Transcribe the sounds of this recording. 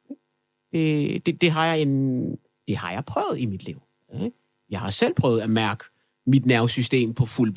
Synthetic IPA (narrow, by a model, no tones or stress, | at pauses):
e̥ | d̥e̝d̥e̝d̥e̝ɦɑ̈jɑ̈ɪe̝n | d̥e̝hɑ̈jɑ̈ɪpʰʁœʊð̩ˠimid̥liʊ̰ | e | jɑ̈ɪhɑ̈sel̰pʰʁœ̰ʊð̩ˠæmæɐɡ̥ | mid̥næɐʊsysd̥e̝̰ːmpʰɒ̽fulb̥